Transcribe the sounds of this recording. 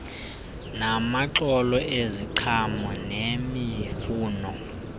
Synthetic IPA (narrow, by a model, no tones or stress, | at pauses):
namaǁɔlɔʔeziǃʰamɔnemifuːnɔ